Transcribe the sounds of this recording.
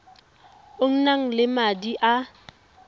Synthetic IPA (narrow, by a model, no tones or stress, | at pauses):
oŋ̩naŋ̩lɪmadiʔa